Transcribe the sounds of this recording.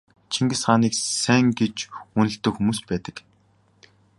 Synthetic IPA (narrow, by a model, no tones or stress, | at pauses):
t͡ɕʰiŋɡɘ̆sɢaːniːksæŋɡet͡ɕunɵ̆ɬt̪ɵ̆kxumuːspæːt̪ə̆k